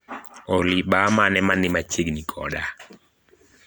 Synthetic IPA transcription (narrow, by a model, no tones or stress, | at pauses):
ɔlɪɓamanɛmanɪmat͡ʃeɡnikʰɔ̰ɗa